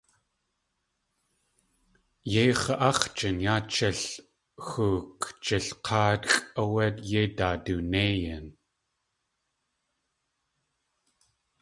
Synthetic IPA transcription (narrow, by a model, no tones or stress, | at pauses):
jeχəʔɑχt͡ʃənjaːt͡ʃːɐɬ | xuːkt͡ʃəɬqʰɑːt̪xʼəwat̪jetaːdunejan